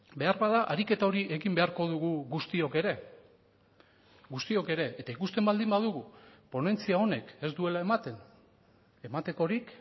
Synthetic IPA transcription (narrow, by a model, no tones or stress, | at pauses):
be̞aɾβaðaʔaɾike̞t̪ao̞ɾiʔe̞ɣimbe̞aɾko̞ðuɣuɣust̪io̞ke̞ɾe̞ | ɡust̪io̞ke̞ɾe̞ːt̪aikust̪e̞mbald̪imbaðuɣupo̞ne̞nt͡siao̞ne̞ke̞zd̪ue̞laemat̪en | e̞mat̪e̞ko̞ɾik